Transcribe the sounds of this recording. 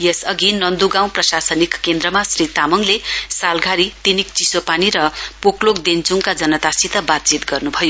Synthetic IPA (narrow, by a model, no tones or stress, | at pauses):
jesʌɡinʌnd̪uɡaw̃prʌsasʌnikːend̪rʌmasrit̪amʌŋlesalɡʱaɾit̪inikt͡sisopaniɾʌpoklokd̪ent͡suŋkad͡zʌnʌt̪asit̪ʌbat̪̚t͡sit̪ɡʌrnubʱʌjo